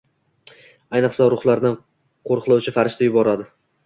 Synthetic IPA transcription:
ajnɨqsaɾʊχlˠaɾd̪an | qʰoɾqʰɨlˠawt͡ʃʰɪfaɾɪʃt̪ʰajʊbɒɾad̪ɪ

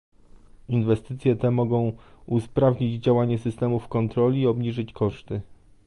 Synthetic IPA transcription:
invɛst̪ɘt̪sʲjɛt̪ɛmɔɡɔ̃w̃uspɾavɲid͡ʑd͡ʑawaɲɛsɘst̪ɛmufkɔnt̪ɾɔlʲiːɔbɲiʐɘt͡ɕkɔʂt̪ɘ

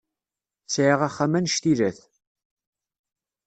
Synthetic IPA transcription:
sʕiʁaχːamænʃt̪iɾæθ

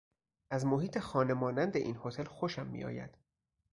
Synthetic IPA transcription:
ʔæzmo̞ɦiːt̪ʰe̞xɒːne̞mɒːnænd̪eʔinho̞t̪ʰelxoʃæmːḭjɒ̰ːjæ̰d̪̥

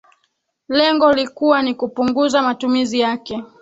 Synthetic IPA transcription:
lɛŋɡɔlikuwanikupuŋɡuzamatumizijakɛ

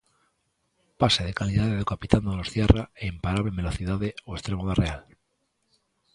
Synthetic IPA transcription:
paseðekaliðaðeðukapit̪and̪onosθjeraeimpaɾaβleβe̞lo̞θiðaðeoest̪ɾemoðareal

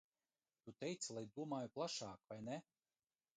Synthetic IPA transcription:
t̪ut̪ɛjt̪silˠajd̪uɔmaːjuplˠaʃaːkvajnɛ

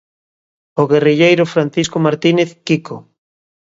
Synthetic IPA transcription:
oɣeriʎejɾofɾan̟θiskomaɾt̪ineθkiko

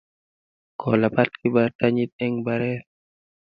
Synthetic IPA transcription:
kʰɔlapat̪̚kibataɲit̪̚ɛŋbaɾɛɾ

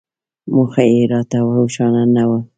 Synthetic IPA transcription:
muxaeɾɑt̪awauʃɑnanawə

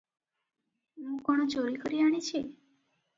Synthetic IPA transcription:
mũkɔɽ̃ɔt͡ʃoɾikɔɾiaɽ̃it͡ʃʰi

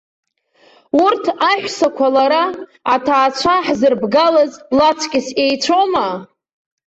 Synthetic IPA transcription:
urtʰaħʷᶣsakʷʰalaɾaːtʰaːt͡ɕʷʰaħzɨrbɡalazlat͡sʷʰkʲʼɪse̞jt͡ɕʷʰoma

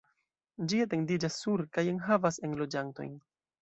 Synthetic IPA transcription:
d͡ʒiate̞ŋdid͡ʒasːuɾkajeŋɦavase̞nlo̞d͡ʒanto̞̰jn

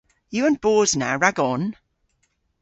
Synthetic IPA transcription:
jəə̃nb̥ɔːznaɹaɡɔn

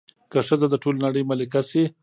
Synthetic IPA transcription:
kaʂəd̪ad̪əʈolnaɽəjmalɪkase

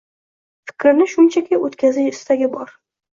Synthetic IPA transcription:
fɪ̥kʲʰɾɪnɪʃʊnt͡ʃʰakʲʰɪot̪kʲʰazɪʃɪst̪ʰaɡʲɪbɒɾ

